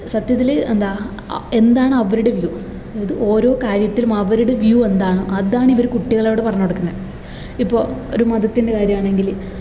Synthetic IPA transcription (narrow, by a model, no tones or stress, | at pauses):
sɐt̪jɐt̪̬ːilend̪aː | e̞nd̪aːɳɨɐʋɐɾuɽe̞ʋju | iðɨʔo̞ːɾo̞ːkaːɾjɐt̪ːilumɐʋɐɾuɽeʋjue̞nd̪aːɳɨʔɐðaːɳiʋɐɾukuʈːiɣɐɭeʋiɽepɐrɐɲːoɽukːunːɐ | ipːo̞ːɭo̞̰ɾumɐðɐt̪ːinde̞kaːɾjɐmaːɳe̞ŋɡil